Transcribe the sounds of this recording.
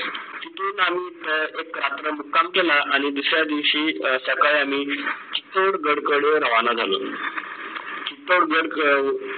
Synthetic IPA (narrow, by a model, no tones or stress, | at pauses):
t͡ɕit̪unamiːt̪əekːɾat̪ɾəmukːamkelaʔaɽ̃id̪usɾjad̪iʋɕiːsəkajam̤iːt͡ɕi̥t̪oɽɡəɽkəɽjoɾəʋanad͡zʱalo | kit̪oɽɡəɽ